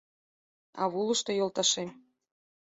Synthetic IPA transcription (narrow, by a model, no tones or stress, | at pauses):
ɑ̰βulˠə̆ʃt̪ojolˠt̪ɑʃem